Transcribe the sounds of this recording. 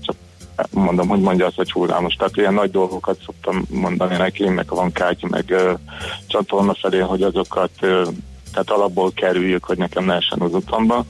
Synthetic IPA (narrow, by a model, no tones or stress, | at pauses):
t͡ʃɒk | mo̞nd̪o̞mɦo̞ɟmo̞ɲɟɒːst̪ɒt͡ʃuld̪a̰ːmoʃt̪ɛat̪ijɛnːɒɟd̪o̞lɡo̞kɒt̪so̞k̚t̪ɒmːo̞nd̪ɒninɛkimmɛ̰kvɒŋkaːcmɛ̰ɡøt͡ʃɒt̪o̞rnɒfɛleːɦo̞ɟɒzo̞kɒt̪ø | t̪ːɛaːt̪ɒlɒbːoːlkɛɾyjːykho̞ɟnɛkɛmlɛɛʃɛ̰nɒzut̪ʰɒmbɒ